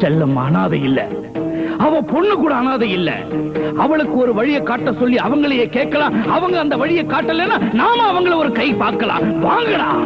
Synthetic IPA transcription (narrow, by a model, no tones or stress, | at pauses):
t͡ʃɛlːɐmɐːnaːðɐɪlːɐ̰ | ɐʋɐ̃pɔɳːɯkuːɽɐːnaːðɐɪlːɐ̰ɐʋɐɭɯkːɯɔɾɯʋɐɻɪjɐkːaːʈːɐsɔlːiɐʋɐŋɡɐɭɐjeːkeːʈ̚kɐlãːɐʋɐŋɡɐɐːnd̪ɐʋɐɻɪjɐkːaːʈːɐlːeːnːaːnaːmɐɐʋɐŋɡɐɭɔɾɯkɐɪpaːɾkɐla̰ːʋaːŋɡɐlã̰ː